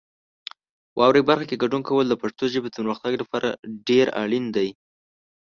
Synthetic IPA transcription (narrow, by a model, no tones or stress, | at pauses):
wʔɑwɾajbaɾxakeɡaɖunkawəld̪əpaʂt̪oʒəbet̪anɾaxt̪aɡlapɑɾʔa̰ɖeɾa̰ɭind̪aj